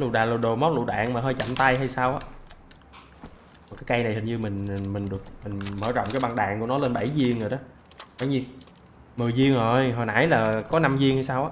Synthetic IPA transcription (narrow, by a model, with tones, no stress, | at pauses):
lṵ˧˨˩ɗaː˨˩lo˨˩ɗo˨˩mɔ˨˦˥t̚lṵ˧˨ɗa̰ː˧˨ŋmaː˨˩ɦəː˧jt͡ɕa̰˧˨˩mt̪a˧jɦa˧jsaː˧wʔaː˨˦ | mɔ˨˩kaː˨˦jka˧jna˨˩jhɨ˨˩ŋɲɨ˧mï˨˩ŋ̟˨˩mï˨˩ŋ̟ɗɨ˨˩ək̚mï˨˩ŋ̟məː˧˩zɔ̰˧˨wŋ͡mkaː˨˦jɓa˧ŋɗaː˨˩ŋku˧˩ənɔ˨˦le˧nɓa˧˩jzi˧əŋŋoː˨˩jɗɔ˨˦ | ɓə˧˩jɲi˧ | mɨ˨˩jzi˧əŋzo˨˩jɦɔː˨˩na̰ː˧˩˥jlaː˨˩kɔ˨˦na˧mzi˧ŋha˧jsaː˧wʔaː˨˧˦